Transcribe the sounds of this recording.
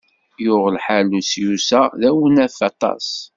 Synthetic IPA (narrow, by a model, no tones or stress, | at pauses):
jʊʁəlħalusjusæðæwənæfɑt̪ˤɑ̰s